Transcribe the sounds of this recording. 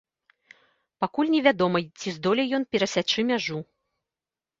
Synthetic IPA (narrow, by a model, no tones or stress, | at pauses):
pakulʲnʲɛvʲad̪ɔmɐt͡sʲizd̪ɔlʲɛjɔnpʲɛɾɐsʲat͡ʂɨmʲaʐu